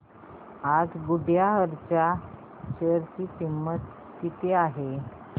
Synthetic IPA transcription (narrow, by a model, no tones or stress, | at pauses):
ad͡zɡuɖjaɦəɾt͡ɕa | ɕəɾt͡ɕiːt̪imːət̪ | kit̪eaɦe